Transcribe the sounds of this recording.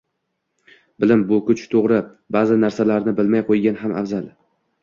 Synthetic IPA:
bɪlɪmbʊkʊt͡ʃʰt̪ʰoʁɾɪ | bazɪnaɾsalaɾnɪbɪlmajqʰojɡʲanɦama̰vzal

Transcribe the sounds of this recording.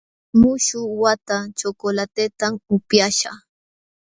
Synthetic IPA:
mʊʃʊwat̪at͡ʃokolat̪et̪amʊpjaʃa̰

